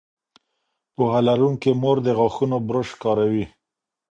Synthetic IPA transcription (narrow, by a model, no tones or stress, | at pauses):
pohalaɾuŋkemoɾd̪əɣaxunobɾəʃkɑɾawi